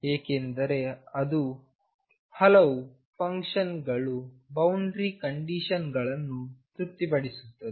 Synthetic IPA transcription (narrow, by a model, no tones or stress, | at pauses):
ɦeːkend̪ɐɾe̞ɐd̪u | hɐlɐʋu | pʰɐŋkʂɐnɡɐɭubɐwɳɖɾikɐɳɖiʃɐnɡɐɭɐnːut̪ɾut̪ːipɐɽisu̥t̪ːɐd̪e